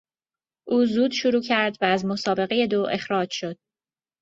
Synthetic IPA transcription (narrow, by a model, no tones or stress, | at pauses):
ʔuːzuːd̪̥ʃoɾuːcʰæɾd̪væːzmo̞sɒːbe̞ɣeje̞d̪oːʔe̞xɾɒːd͡ʒʃo̞d̪̥̚